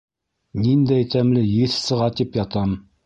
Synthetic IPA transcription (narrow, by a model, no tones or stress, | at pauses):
nind̪æjt̪æmlɘjɘθsɤ̆ʁɑt̪ipjɑt̪ɑm